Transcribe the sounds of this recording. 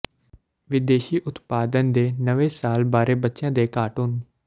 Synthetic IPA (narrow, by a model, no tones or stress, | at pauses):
ʋɪd̪eːʃiːʔʊt̪paːd̪ənd̪eːnəʋeːsaːlbaːɾeːbətːʃjãːd̪eːkaːʈuːn